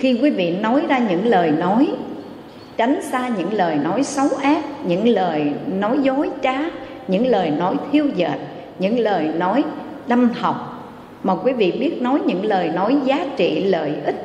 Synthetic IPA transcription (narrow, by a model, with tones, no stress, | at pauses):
xi˧kwi˨˦vḭ˧˨nɔ˨˦jzaː˧ɲɨ̰˧˥ŋləː˨˩jnɔ˨˦j | t͡ɕa˨˦jŋ̟saː˧ɲɨ̰˧˥ŋləː˨˩jnɔ˨˦jsə˨˦wʔaː˦˥p̚ɲɨ̰˧˥ŋləː˨˩jnɔ˨˦jzo˨˦jt͡ɕaː˨˦ | ɲɨ̰˧˥ŋləː˨˩jnɔ˨˦jt̪ʰi˧əwzə̰ː˨˩t̚ | ɲɨ̰˧˥ŋləː˨˩jnɔ˨˦j | ɗa˧mha˨˩wk͡p̚ | maː˨˩kwi˨˦vḭ˧˨ɓi˦˥ət̚nɔ˨˦jɲɨ̰˧˥ŋləː˨˩jnɔ˨˦jzaː˨˦t͡ɕḭ˧˨lə̰ː˨˩jʔï˦˥k̟̚